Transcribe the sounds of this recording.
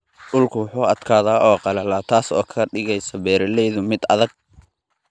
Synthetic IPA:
ɗʊlkʰʊwʊħuːɐd̪̥kʰaːðaːʔɔːqɑlɐlaːt̪ʰaːsɔ̰ːkʰɐɖɪɣɛjsɐbɛːɾɐlɛjðʊmɪd̪ɐ̰ðɐɡ̚

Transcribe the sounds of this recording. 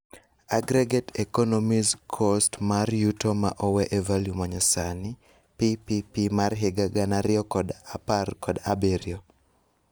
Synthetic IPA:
aɡɾeɡetekɔnɔmizkʰostmarjutoma̰ʔɔwɛʔevaljumaɲɔsanɪ | pipipimarɦɪɡaɡanaɾɪɔkɔdaparkɔdabeɾjo

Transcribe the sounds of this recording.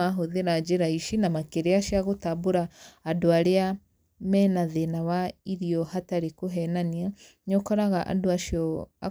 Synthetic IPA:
aɦoðeɾad͡ʒeɾaiʃinamakeɾeaʃiaɣotaboɾaːdoaɾea | mɛnaðenawaiɾiɔhataɾekoɦɛnania | ɲɔkɔɾaɣaʔa̰doaʃiɔa̰

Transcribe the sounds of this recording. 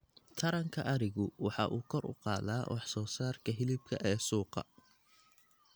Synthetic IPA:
t̪ʰɐɾɐŋkʰɐʔɐɾɪɣʊwɑħɑ̰ʔuːkʰɔrʊ̰qɑːðaːwʔɑħsɔːsaːrkʰɐɦɪlɪb̚kʰɐʔɛːsuːqɑ̰

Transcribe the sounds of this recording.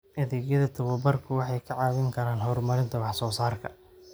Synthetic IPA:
ʔɐðɪɣjɐðɐt̪ʰɐwɐbɐrkʰʊwɑħɑjkʰɐʕɑːwɪŋkʰɐɾaːnɦɔrmɐɾɪnt̪ʰɐwɑħsɔːsaːrkʰɐ̰

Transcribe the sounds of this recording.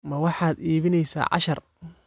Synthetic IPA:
mɐwɑħɑːd̪iːβɪnɛjsa̰ːʕɑ̰ʃɐr

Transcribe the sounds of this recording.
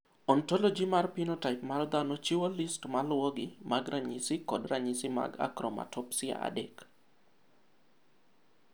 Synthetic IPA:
ɔntɔlɔd͡ʒimarpinotaɪpmard̪anɔt͡ʃiwolistmalwɔɡɪmaɡɾaɲisɪkɔdraɲisɪma̰ɡa̰kɾɔma̰tɔpsɪa̰ʔa̰dɛk

